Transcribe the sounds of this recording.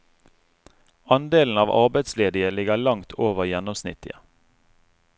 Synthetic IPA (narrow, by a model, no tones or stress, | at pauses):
ɑnd̪eːln̩ɑːʋɑ̰ʁbæɪd̪sleːd̪ɪəlɪɡəlɑŋt̪ʰoːʋəʁjɛnɔmsnɪ̰t̪ʰɪ̰ə